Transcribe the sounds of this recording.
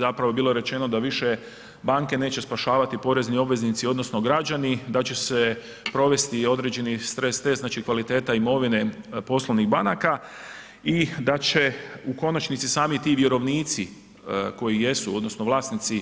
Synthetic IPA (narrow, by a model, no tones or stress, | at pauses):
zapɾaʋobiːlˠo̞ɾe̞t͡ʃe̞no̞d̪aʋiʃe̞ | baːŋke̞ne̞ːt͡ɕe̞spaʃaːʋat̪ipo̞ɾe̞znio̞bʋe̞znit̪sio̞d̪no̞sno̞ɡɾad͡ʒanid̪at͡ɕe̞se | pɾo̞ʋe̞st̪io̞d̪ɾe̞ːd͡ʑe̞nist̪ɾe̞sːt̪e̞sznaːt͡ʃikʋalit̪e̞ːt̪aimo̞ʋine̞po̞slˠoʋniɣbanaka | id̪at͡ɕe̞uko̞nat͡ʃnit̪sisaːmit̪iːʋje̞ɾo̞ʋniːt̪si | ko̞jije̞suo̞d̪no̞snoʋlˠaːsnit̪si